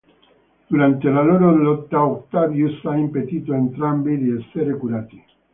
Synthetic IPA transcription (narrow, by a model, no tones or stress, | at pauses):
d̪̥uɾant̪elaloɾolot̪ːaok̚t̪aβjusaimpet̪it̪oent̪ɾambiðieseɾekuɾat̪i